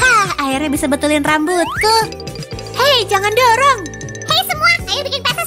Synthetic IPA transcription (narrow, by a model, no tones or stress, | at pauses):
kahaɪrɲabisabət̪ulɪnrambʊt̪̚ːʊh | hed͡ʒaŋandoɾɔŋ | hejsəmuakajabikɪnpat̪as